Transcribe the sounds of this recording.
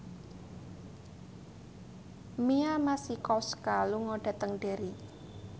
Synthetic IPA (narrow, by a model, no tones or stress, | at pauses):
miamasikɔskaluŋɔɖ̥a̤t̪əŋɖe̤ɾi